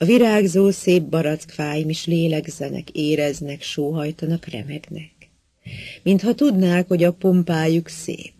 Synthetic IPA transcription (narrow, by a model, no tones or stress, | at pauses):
ɒviɾaːɡzoːseːbːɒɾɒt̪kfaːjimiʃleːlɛɡzɛnɛ̰keːɾɛznɛkʃoːɦɒjt̪ɒnɒkrɛ̰mɛɡnɛk | mint̪hɒt̪ud̪naːkho̞ɟɒpo̞mpaːjuksḛːp̚